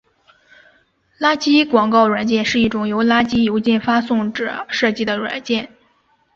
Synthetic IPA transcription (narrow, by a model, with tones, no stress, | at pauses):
la˥t͡ɕi˥kwɑ˨˩ŋkɑ˥˩ʊɻwa˨˩nt͡ɕjɛ˥˧nʂɻ̩˥˧i˥˩ʈ͡ʂʊ˨˩ŋjo˧˥ʊla˥t͡ɕi˥jo˧˥ʊt͡ɕjɛ˥˩nfa˥sʊ˥˧ŋʈ͡ʂɻ̩˨˩ʂɤ˥˧t͡ɕi˥˩d̪ə˩ɻwa̰˨˩˦nt͡ɕjɛ˥˩n